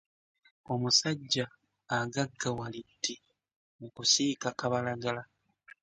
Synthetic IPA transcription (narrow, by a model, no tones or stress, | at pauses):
o̞musaɟːaː | ɡaɡːawalitːi | mukusiːkakaβalaɡala